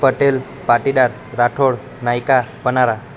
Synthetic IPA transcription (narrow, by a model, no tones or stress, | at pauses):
pəʈel | paʈiɖaɾ | ɾaʈʰoɽ | najkapənaɾa